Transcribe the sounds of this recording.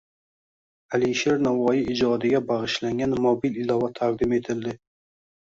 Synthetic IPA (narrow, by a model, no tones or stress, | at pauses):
alɪʃeɾnavɒjɪɪd͡ʒɒd̪ɪɡʲabaʁɨʃlaŋɡʲanmobilɪlɒvat̪ʰaq̚d̪ɪme̞t̪ʰɪld̪ɪ